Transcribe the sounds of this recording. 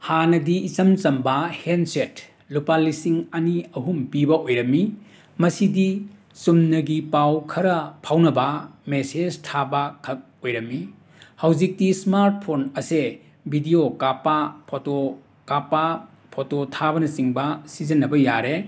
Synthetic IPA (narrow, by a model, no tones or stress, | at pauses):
hanɐdiːt͡ʃɐmt͡ʃɐmbɐhenset | lupalːisiŋɐniɐɦumpibɐʔojɾɐmːi | mɐsidi | sumnɐɡipawkʰɐɾɐpʰawnɐbɐmeseztʰabɐkʰɐk̚ojɾɐmːi | hɐwd͡ʒik̚tismaɾt̚pʰonɐse | bʱidiokapapʰoto | kapa | pʰototʰabɐnɐsiŋbɐsizɐnːɐbɐja̰ɾe